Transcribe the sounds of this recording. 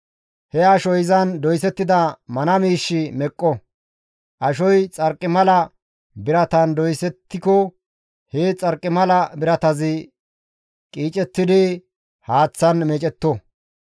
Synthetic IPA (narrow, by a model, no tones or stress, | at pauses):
hɛɐʃɔjɪzɐnd̪ɔjsɛt̪ːɪd̪ɐmɐnɐmiːʃːɪmɛkʼːɔ | ʔɐʃɔjt͡sʼɐɾkʼːɪmɐlɐ | bɪɾɐt̪ɐnd̪ɔjsɛt̪ːɪkɔ | het͡sʼɐɾkʼːɪmɐlɐbɪɾɐt̪ɐzɪ | kʼiːt͡ʃʼɛt̪ːɪd̪ɪ | haːt͡sːɐnmeːt͡ʃʼɛt̪ːɔ